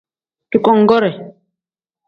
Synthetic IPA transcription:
ki˦kɔ˦ŋ˦ɡɔ˦ɾɛ˨

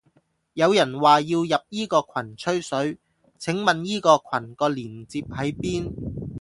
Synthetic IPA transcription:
jɐ˨˧wjɐ˨˩nwaː˨jiː˧wjɐ˨p̚jiː˥kɔː˧kʰɐ˨˩nt͡ʃʰɵ˥ɥsɵ˨˥ɥ | t͡sʰɪ˨˥ŋmɐ˨njiː˥kɔː˧kʰɐ˨˩nkɔː˧liː˨˩nt͡siː˧p̚hɐ˨˥jpiː˥n

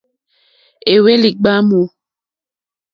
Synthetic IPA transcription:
e˨we˦li˨ɡ͡ba˦mu˨˦

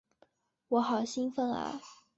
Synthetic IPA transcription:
wɔ˧˥xɑ˨˩ʊɕi˥nfə˥ŋə̰˧˥

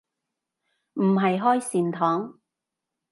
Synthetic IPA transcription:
m̩˨˩ɦɐ˨jɦɔː˥jsiː˨˩nt̪ʰɔː˨˥ŋ

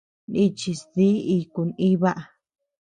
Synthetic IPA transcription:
ni˧t͡ʃi˧sði˦i˧ku˨nĩ˦βa˦ʔa˨

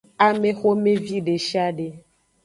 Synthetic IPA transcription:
a˨me˦xo˦mẽ˦vi˦ɖe˨ʃi˦a˦ɖe˨

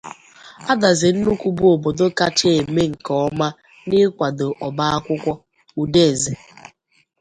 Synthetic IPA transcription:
a˦da˨zɪ˨n̩˦nu˦kʷu˦bu˦o˨bo˨do˦ka˦t͡ʃe˦e˨me˦ŋ̩˨kɔ˨˦ma˦ | nɪ˦kʷa˨do˨ʔɔ˨ba˦a˦kʷʊ˦kʷɔ˦ | u˨de˦˨ze˨

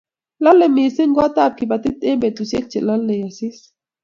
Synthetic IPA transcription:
la˦lːɛ˨me˨se˦ŋɡwa˦ta˦˨b̚ki˨ba˨t̪i˦te˦mbɛ˨t̪u˨sje˦k̚t͡ʃe˨la˦lːɛ˨ja˨si˦s

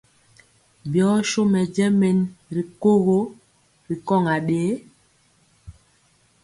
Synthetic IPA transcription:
bjɔ˨˦ʃo˦mɛ˨d͡ʒɛ˦me˨nɾi˨ko˦ɣo˦ | ɾi˨kɔ˦˨ŋa˨ɗeː˨˦

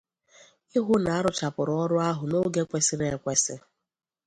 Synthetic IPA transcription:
ɪ˦ɦʊ˦na˨a˦ɾʊ˨t͡ʃa˨pʊ˨ɾʊ˦ɔ˦ɾʊ˦a˦ɦʊ˨no˦ɡe˦kʷe˦sɪ˦ɾe˨e˦kʷe˦sɪ˦

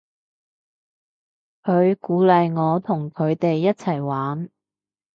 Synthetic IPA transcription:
kʰɵ˨˧ɥkuː˨˥lɐ˨jŋɔː˨˧t̪ʰʊ˨˩ŋkʰɵ˨˧ɥt̪e˨jːɐ˥t̚t͡sʰɐ˨˩jwaː˨˥n

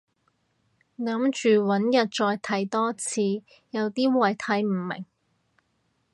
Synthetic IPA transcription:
ŋɐ˨˥mt͡ʃyː˨wɐ˨˥njɐ˨t̚t͡ʃɔː˧jt̪ʰɐ˨˥jt̪ɔː˥t͡sʰiː˨˧ | jɐ˨˧wt̪iː˥wɐ˨˩jt̪ʰɐ˨˥jm̩˨˩mɪ̰˨˩ŋ

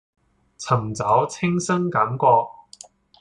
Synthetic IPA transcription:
t͡sʰɐ˨˩mt͡sɐ˨˥wt͡sʰɪ˥ŋsɐ˥ŋkɐ˨˥mkɔː˧

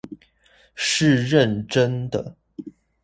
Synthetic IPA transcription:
ʂɻ̩˥˨ɻə˥˨nʈ͡ʂə˦nd̪ə˨˩

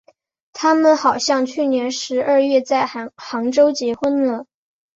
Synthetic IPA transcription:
t̪ʰa˥mə˨nxɑ˨˩ʊɕjɑ˥˧ŋt͡ɕʰy˥˩njɛ˧˥nʂɻ̩˧˥ə˥˧ɥɛ˥˧t͡sa˥˩ɪxɑ˧˥ŋʈ͡ʂo˥ʊt͡ɕjɛ˧˥xwə˥nlə˨˩

